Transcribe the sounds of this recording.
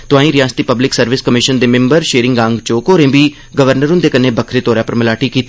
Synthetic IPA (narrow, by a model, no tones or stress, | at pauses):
t̪ʊãːĩɾijãːnst̪iːpəblɪksəɾʋɪskəmɪʃənd̪eːmɪ̃mbəɾʃeːɾɪ̃ŋɡɡãːŋɡt͡ʃoːkoːɾẽːbiː | ɡəʋəɾnəɾʊ̃nd̪eːkəneːbəkʰɾeːt̪oːɾjãːpəɾməlaːʈiːkiːt̪ː